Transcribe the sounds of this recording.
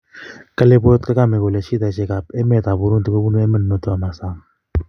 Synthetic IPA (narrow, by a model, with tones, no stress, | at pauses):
kə˦le˦bo˦t̚ke˦ka˦˨me˨ko˨le˨ʃi˦ta˨ʃe˦ka˨pɛ˦mɛ˦˨ta˨bu˦ɾu˦ntu˨ko˦bu˦nu˦e˦mə˦n˨mə˨to˦a˨ma˨sa˦˨ŋ